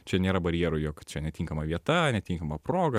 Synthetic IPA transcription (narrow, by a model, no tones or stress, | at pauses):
t͡ʃʲɛnʲeːɾɐbɐɾʲjeːɾʊjoːkt͡ʃʲɛnʲɛt̪ʲiːŋkɐmɐʋʲiɛt̪ɐnʲɛt̪ʲiːŋkɐmɐpɾoːɡɐ